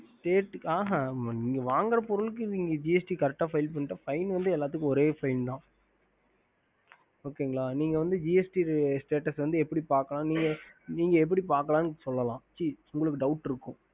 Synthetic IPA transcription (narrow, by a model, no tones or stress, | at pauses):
sʈeːʈaːɦaniːŋɡɐʋaːŋɡɐɾɐpɔɾɯlɯk̬ːɯniːŋɡɐd͡ʒiɛsʈikɐɾɛʈ̚ʈːaːfɐɪlp̬ɐɳːɪʈːaːfɐɪnʋɐnd̪ɯɛlːaːt̪̬ːɯkːɯɔɾeːfɐɪnt̪ãː | oːkːeːʊŋɡɐɭaːniːŋɡɐʋɐnd̪ɯd͡ʒiːɛsʈisʈeːʈɐsʋɐnd̪ɯɛpːɐɽipaːɾkɐlãːniːŋɡɐniːŋɡɐɛp̬ːɐɽipaːɾkɐlaːnsɔlːɐlãːt͡ʃːiʊŋɡɐɭɯkːɯɖɐʊʈːɪɾɯkːʊ̃